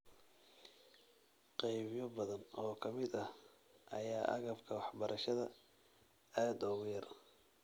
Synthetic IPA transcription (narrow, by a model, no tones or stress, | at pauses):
qɛjβɪjɔbɐðɐnʔɔːkʰɐmɪd̪ɐh | ʔɐ̰jaːʔɐ̰ɣɐbkʰɐwɑħbɐɾʔɐʃɐðɐ | aːd̪ɔɣʊjɐr